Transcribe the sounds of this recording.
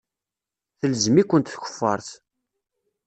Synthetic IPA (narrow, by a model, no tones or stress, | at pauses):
θəlzmikʷːənt̪θçʷə̥fːɑɾˤθ